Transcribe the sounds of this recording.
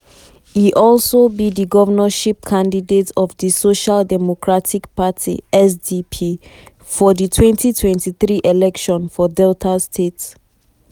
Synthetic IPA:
iʔɔlˠsobidiɡɔvənəʃip̚kʰãndidetɔvdisoʃaldɛmokʰɹatʰikpʰatʰḭɛsdipʰi | fɔditʰwɛ̃ntʰitʰwɛ̃ntiθɹiʔeɛlɛkʃɔ̃nfɔdɛltʰastʰets

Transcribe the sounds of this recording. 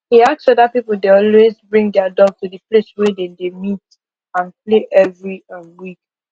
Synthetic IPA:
hiak̚sɔdapipl̩deɔlwezbɹĩŋɡdɛadɔɡtudəpleswɛdedemit | ãnpleʔɛvɹiə̃nwik

